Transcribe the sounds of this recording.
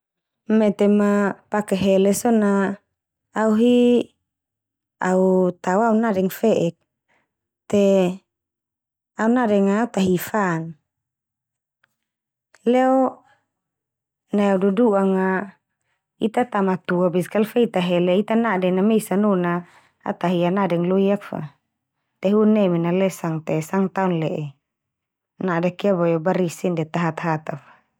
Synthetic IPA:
mɛt̪ɛmapakɛɦɛlɛsonaː | uɦi | aut̪awaunadɛŋfɛʔɛk̚ | t̪ɛ | aunadɛŋaut̪aɦifan | lɛo | naududuʔaŋa | it̪at̪amat̪uabiskalfɛit̪aɦɛlɛit̪anadɛnamisanuna̰ː | t̪aɦianadɛŋloiak̚fa̰ | t̪ɛɦunɛminalɛsaŋt̪ɛsaŋt̪aunlɛʔɛ | nadakiabajobaɾisindɛt̪aɦat̪ɦat̪afḁ

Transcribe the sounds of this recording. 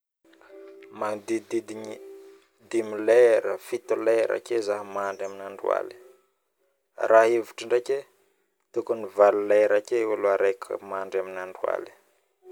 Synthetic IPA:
mand̪id̪id̪iɲi | d̪imilɛɾəfit̪uleɾʔa̰kezaɦəmaɳɖ͡ʐaminaɳɖ͡ʐua̰li̥ | ɾʔaɦevuʈ͡ʂəɳɖ͡ʐekʲe | t̪ukunivaluleɾakewaloaɾekʰə̰maɳɖ͡ʐaminaɳɖ͡ʐua̰li̥

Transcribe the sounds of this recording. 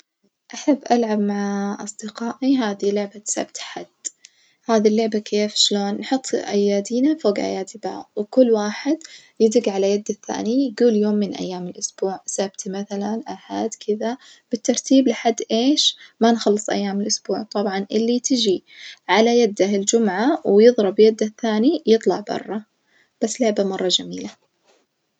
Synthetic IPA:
ʔaħabːʔalʕabmaʕaʔɑ̰sˤd̪ɪqɑːʔiɦaːðilʊʕbat̪sa̰bt̪ħad̪̥ | haːðilːʊʕbakʰeːfʃloːnːħʊt̪ˤːʔa̰jːaːd̪iːnafoːɡʔa̰jaːd̪iba̰wkʊlːwaːħɪd̪ | jɪd̪ɪɡʕalajad̪ːaθːa̰ːnijɡuːljoːmːɪnʔa̰jːaːmɪlʔʊsb̥uːʕsabt̪maθalanʔaħaːd̪kʰɪða | b̥ɪt̪ːɑɾˤt̪iːblɪħad̪ːʔeːʃmanxɑlːɨsˤʔa̰jːaːmɪlʔʊsbuːʕt̪ˤɑbʕɑnʔɪlːit̪ɪd͡ʒiʕalajad̪ːaɪld͡ʒʊmʕawjɨðˤɾˤɑbjad̪ːaθːaːnijɨt̪ˤlɑʕbɑ̰rˤːɑ | b̥asːlɪʕbamɑrˤːɑd͡ʒamiːla

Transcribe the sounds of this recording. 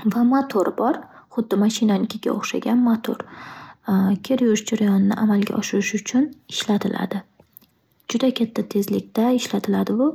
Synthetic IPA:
vamat̪ʰoɾbɒɾ | χʊd̪ːɪmaʃɪnanɪkʲʰɪɡʲa̰oχʃa̰ɡʲanmat̪ʰo̰ɾ | kʲʰeɾjʊɾɪʃd͡ʒaɾajɒnɪnɪʔamalɡʲa̰ʔɒʃɪɾɪʃʊt͡ʃʰʊnɪʃlat̪ʰɪlʔa̰d̪ɪ | d͡ʒʊd̪akʲʰat̪ʰːat̪ʰe̞zlɪkʲt̪aɪʃlat̪ʰɪlad̪ɪʊ

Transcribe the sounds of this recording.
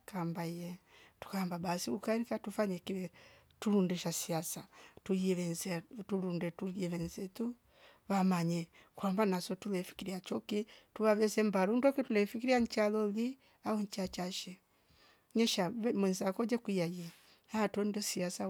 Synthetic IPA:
kambaijɛtu̥kambabasikukaɾikatufaɲɛkiɛ | tuɾundɛʃasiasatujɛβɛnzɛtulundɛtujɛβɛnzɛtu | βamaɲɛ | kwambanasɔtulɛfi̥kiɾiat͡ʃɔkituβaβɛsɛmbaɾundɔkitulɛfikiɾiaɲt͡ʃalɔli | auɲt͡ʃat͡ʃaʃɛ | ɲɛʃamwɛnzakɔd͡ʒɛkwijajɛ | haatɔndɔsiasa

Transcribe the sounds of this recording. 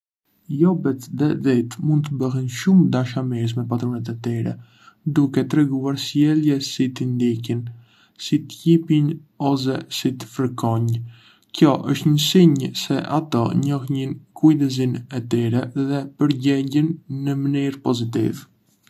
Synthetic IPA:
jɔbɛt̪ðɛðit̪mund̪̚t̪əbəɦɛnʃumd̪aʃamis̬mɛp̬at̪ɾɔnɛt̪̬ɛt̪iɾɛ̰ | d̪ukɛt̪ɾɛɡuaɾsjɛljɛsit̪ind̪ikin | sit̪cipinɔs̬ɛsit̪ə̥fəɾkɔɲ | kjɔʔəʃt̪ɲəsiɲəsɛʔa̰t̪ɔɲɔxɲinkʰujd̪əzinɛt̪ɛɾɛðɛpəɾɟɛɟinːəməniɾpɔzit̪̬ḭv

